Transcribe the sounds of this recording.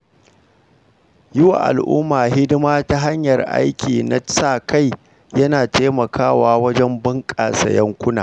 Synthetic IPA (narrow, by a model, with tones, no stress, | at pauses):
jɪ˦wa̰˨ʔa̰˨lʔʊ̰ː˦maː˨ɦɪ˦dɪ˦maː˦ta˦ɦa˦ɲjɐ˨rʔa̰˦jkʲʰiː˨na̰˦saː˦˨kʰa˦j | jɐ˦naː˨teː˦mɐ˨kʰaː˦waː˦wɐ˦d͡ʒɛ˦mbɪ˦ŋkʼaː˨sa̰˨jɐ˦ŋkʷʊ˦naː˨